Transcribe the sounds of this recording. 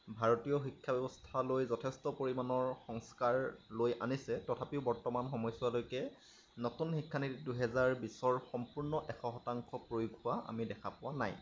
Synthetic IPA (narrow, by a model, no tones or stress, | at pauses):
bʱaɹɔtijɔxikʰːabɛbɔstʰalojzɔtʰɛstɔpoɹimanɔɹxɔŋskaɹlojʔanisɛtɔtʰapiʊbɔɹtɔmanxɔmɔjswalojkɛ | notunxikʰːanitduɦɛzaɹbisɔɹxɔmpuɹnɔʔɛxʰɔxɔtaŋkʰɔpɹojuɡhʊwaʔa̰midɛkʰapʊwana̰j